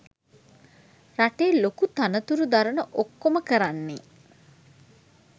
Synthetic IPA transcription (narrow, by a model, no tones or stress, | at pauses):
raʈeːlokut̪anət̪uɾud̪aɾənəʔokːoməkəɾanːe